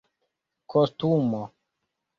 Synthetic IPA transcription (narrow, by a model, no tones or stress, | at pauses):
kost̪umo